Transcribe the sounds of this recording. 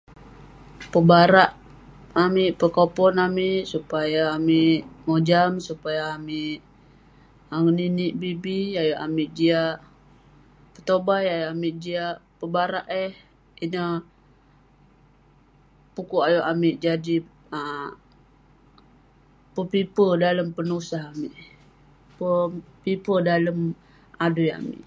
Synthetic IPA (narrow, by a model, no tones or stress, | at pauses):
pəbaɾaʔ | amiʔpəkopɔnamiʔsupajaːmiʔmod͡ʒamsupajaːmiʔ | aŋəniniʔbibiajoʔamiʔd͡ʒiaʔ | pət̪obajajʔamiʔd͡ʒiaʔpəbaɾaʔɛh | inə | pukuʔajoʔamiʔd͡ʒadi | ə | pəpipədaləmpənusaɦamiʔ | pəpipədaləm | aduja̰mɪ̰ʔ